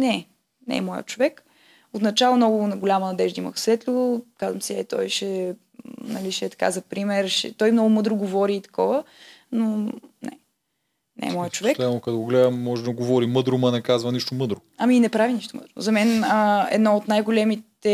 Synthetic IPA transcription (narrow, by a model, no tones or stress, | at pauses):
nɛ | nɛ̰mɔjə̰t͡ʃovɛk | ot̪nɐt͡ʃalˠomnɔɡʊnɡolʲamənɐd̪ɛʒd̪imə̰xsvɛt̪lʲukazvəmsiɛt̪ɔ̰jʃɛ | nɐliʃɛt̪ɐ̥ka̰zɐpɾimɛɾʃɛ̰t̪ɔjmnɔɡʊmɤd̪ɾʊɡovɔɾiːt̪ɐ̥kɔvə | nonɛ̰ | nɛ̰ɛmɔjət͡ʃovɛamokɐd̪oɡoɡlɛd̪əmːɔʒɛd̪ɐɡovɔɾimɤd̪ɾʊmɐnɛkazvəniʃt̪omɤd̪ɾo | ɐminɛpɾaviniʃt̪omə̰d̪ɾʊ̰zɐmɛnəɛ̰d̪nɔot̪najɡolɛmit̪ | ɛ